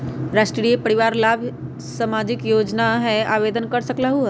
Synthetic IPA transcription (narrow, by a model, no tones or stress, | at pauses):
ɾaːʃʈɾijepɐɽiʋaːɾlaːbʱ | samaːd͡ʒɪkjoːd͡ʒnaɦɛaːʋeːd̪ənkɐɾsəklaɦuɦ